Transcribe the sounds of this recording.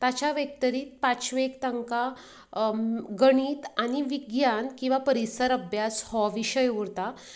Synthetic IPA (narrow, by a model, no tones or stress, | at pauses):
t̪at͡ɕaʋjək̚t̪əɾiːt̪̚pat͡sʋekt̪əŋka | ɡəɽ̃iːt̪añiʋiɡjankĩw̃ʋapəɾisəɾəbʱjashɔʋiɕəjuɾt̪a